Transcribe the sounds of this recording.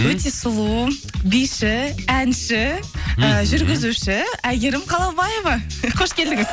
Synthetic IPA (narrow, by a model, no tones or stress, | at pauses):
wɵt̪e̞sʊlˠu | bijʃɪænʃɪəʒʏɾɡʲɪzuʃɪæɡʲeɾɪmqʰɑlˠɑbɑjevɑqʰo̞ʃkʲe̞ld̪ɪŋɪz